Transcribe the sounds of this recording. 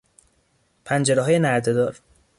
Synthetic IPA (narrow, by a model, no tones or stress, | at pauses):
pʰænd͡ʒeɾeɦɒːjenæɾd̪ed̪ɒːɾ